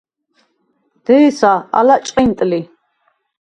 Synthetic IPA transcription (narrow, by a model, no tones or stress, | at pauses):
d̪̥ɛisaa̰lat͡ʃʼqʼint̪ʼli